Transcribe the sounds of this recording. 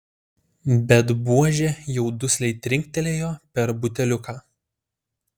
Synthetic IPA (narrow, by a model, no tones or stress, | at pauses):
bʲɛt̪buɔʒʲejɛʊd̪ʊsʲlʲɛɪt̪ʲɾʲɪŋʲk̚ʲt̪ʲɛlʲeːjoːpʲɛɾbʊt̪ʲɛlʲʊkaː